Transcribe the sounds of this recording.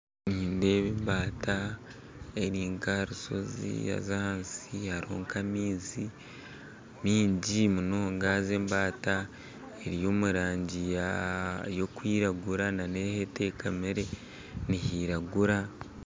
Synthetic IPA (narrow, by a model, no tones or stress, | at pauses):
niːnde̞ːβiːmbaːta | e̞ɾiːŋkaɾuso̞̰zḭja̰zaansihaɾo̰ːŋkamiːzi | miːɲɟimunoŋɡaːze̞ːmbaːta | eɾijo̞ːmuɾaːɲɟijajo̞kwiːɾaɡuɾanane̞hete̞ːkamiɾe̞ | nihiːɾaɡuɾa